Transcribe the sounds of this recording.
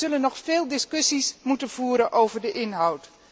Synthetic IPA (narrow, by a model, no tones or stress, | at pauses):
ɵlənːɔxfɪːlˠdɪskøsismutənv̥uːɾənʔowvərdəʔɪnɦawt